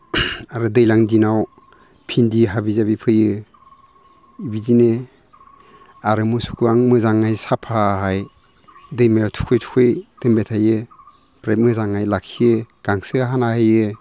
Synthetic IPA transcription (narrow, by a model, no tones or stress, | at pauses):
aɾɯdɯjlaŋdinaw | pʰindiɦabizabipʰɯjɯ | ibidine | aɾɯmusu̥kʰuaŋmɯzaŋːajsapʰaɦaj | dɯjmajawtʰu̥kʰɯjtʰu̥kʰɯjd̥ɯmbetʰajɯ | pɾajt̚mɯzaŋajlakʰiɯɡ̥aŋsɯaɦanahɯjɯ